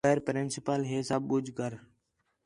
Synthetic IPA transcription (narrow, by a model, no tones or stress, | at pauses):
əːɾpɾɪnsɪpəlɦɪsabʊd͡ʒɡəɾ